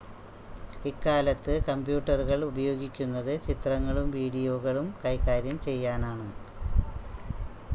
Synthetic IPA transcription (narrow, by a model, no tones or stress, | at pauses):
ikːaːlɐt̪ːɨkɐmbjuːʈːɐruɣɐɭubɐjo̞ːɡikʲːunːɐðɨt͡ɕit̪rɐŋːɐɭumʋiːɽijo̞ːɣɐɭumkɐjkaːɾjɐmt͡ɕe̞jːaːnaːɳɨ